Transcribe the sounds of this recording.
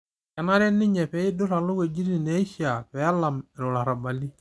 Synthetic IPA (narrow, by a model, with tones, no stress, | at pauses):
kɛ˨na˦ɾɛ˦nɪ˦ɲɛ˨pɛ˨ɪ˦dʊ˦ɾa˨lʊ˦ɡe˨d͡ʒi˦ɾi˦˨ne˨˦i˦ʃa˨pɛ˨a˦la˨mɪ˨ɾɔ˨la˨ɾa˨ba˨li˦